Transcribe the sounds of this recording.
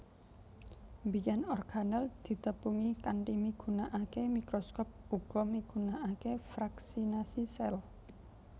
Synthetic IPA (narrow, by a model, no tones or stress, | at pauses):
mbijanɔrɡ̥anald̪̥i̤t̪əpuŋikaɳʈimiɡ̥ṳnaʔakemikɾɔskɔp̚uɡ̥ɔ̤miɡ̥ṳnaʔakefɾaksinasisɛl